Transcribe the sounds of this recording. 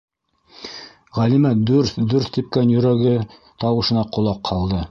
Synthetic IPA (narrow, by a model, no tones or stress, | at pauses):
ʁælimæd̪ʉɾθd̪ʉɾθt̪ip̚kænjɵ̆ɾæɡɘ | t̪ɑwɤ̆ʃɤ̆nɑqʰŏlˠɑqʰːɑlˠd̪ɤ